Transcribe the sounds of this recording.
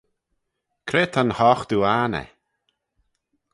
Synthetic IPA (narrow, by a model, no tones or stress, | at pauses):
kʰɾeːt̪ʰanhɔxd̪uanɛ̰